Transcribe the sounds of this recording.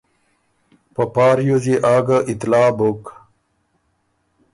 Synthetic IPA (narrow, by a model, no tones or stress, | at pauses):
pɐpaːɾjoziʔaːɡaʔit̪laːbok